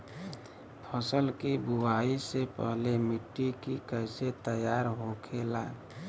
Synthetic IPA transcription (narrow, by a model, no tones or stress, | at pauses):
pʰəsəlkibuaisepə̰ɦlemiʈːikikəɪset̪əjaɾɦokʰelaː